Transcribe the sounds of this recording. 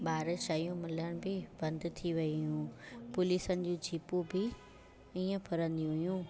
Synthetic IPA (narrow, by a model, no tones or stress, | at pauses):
ɓaːɾʃaːijũmɪləɽ̃bɪbɐ̃nd̪t̪ʰiʋɐiʊjũpʊliːsənɪ̆d͡ʑũːd͡ʑʱiːpubɪ | iːə̃pʰɐɾə̃nd̪iũɦʊjũ